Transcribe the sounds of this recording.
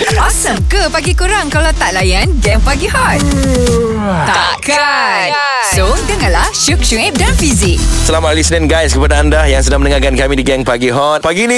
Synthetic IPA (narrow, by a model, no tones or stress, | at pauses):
masəŋkəpaɡikuɾaŋkalawt̪aʔ̚lajanɡɛŋpaɡihɔt̪̚ | t̪aaka | sodəŋanlahʃuk̚ʃuŋɛp̚danfizik̚səlamaʔalisnɛnɡajskəpadaːndajaŋsədaŋmənəŋakankamĩdiɡɛŋpaɡiɦɔt̪̚paɡini